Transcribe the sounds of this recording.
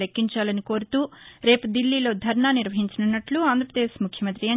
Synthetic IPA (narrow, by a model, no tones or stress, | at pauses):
ekːiɲt͡ʃaːlɐniko̞ːɾut̪uːɾe̞ːpud̪ilːiːlo̞ːd̪ʱɐɾɳaːniɾʋɐɦiɲt͡ʃɐnunːɐʈluaːnd̪ɾɐpɾɐd̪eːʃmukʰjɐmɐnt̪ɾijɐ